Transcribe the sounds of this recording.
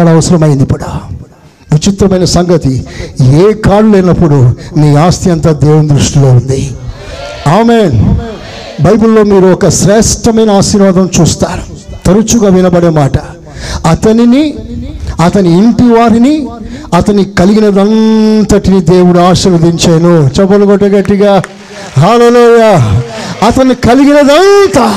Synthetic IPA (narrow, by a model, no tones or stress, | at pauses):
lɐɐʋɐsɐɾɐmɐjind̪ipɐɽɐ | ʋit͡ʃit̪ɾɐmɐjnɐsɐŋɡɐt̪ieːkaːɽuleːnɐpːuɽuniːaːst̪jɐnt̪aːd̪ɛːʋund̪ɾuʂʈilo̞ːund̪i | aːmeːn | bɐjbulːo̞ːmiːɾuɔkɐʃɾɛːʂʈɐmɐjnɐaːsiːɾʋaːd̪ɐmt͡ʃuːst̪aːɾu̥ | t̪ɐɾut͡ʃuɡaːʋinɐbɐɽeːmaːʈɐ | ɐt̪ɐnini | ɐt̪ɐniːɳʈiʋaːɾini | ɐt̪ɐnːikɐliɡinɐd̪ɐnt̪ɐʈinid̪e̞ːwuɽuaːʃɐɾɐd̪iɲt͡ʃeːnoːt͡ʃɛbɐluɡɔʈːɐɡɐʈːiɡaː | ɦaːleːluːjaːɐt̪ɐnːikɐliɡinɐd̪ɐnt̪a